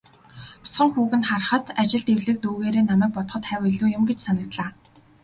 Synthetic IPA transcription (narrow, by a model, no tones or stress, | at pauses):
ʊ̥sχə̆ŋxuːɣɘ̆nχarχə̆t̪at͡ɕɪ̆ɮt̪ewɮɘ̆k̚t̪uːɣeːɾeːnamæːk̚pɔt̪χə̆t̪χæːwiɮuːjʊ̆mɡet͡ɕsanə̆k̚t̪ɮaː